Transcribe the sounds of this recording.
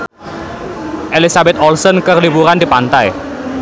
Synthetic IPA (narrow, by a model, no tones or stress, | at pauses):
ʔelisabɛt̪ɔlsɔnkərlibuɾand̪ipant̪aj